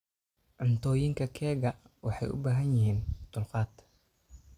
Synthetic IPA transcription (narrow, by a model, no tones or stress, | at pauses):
ʕʊnt̪ʰɔːjɪŋkʰɐkʰɛːɣɐ | wɑħɑ̰jʔʊ̰baːɦɐnjɪɦiːnd̪̥ʊlqɑːd̪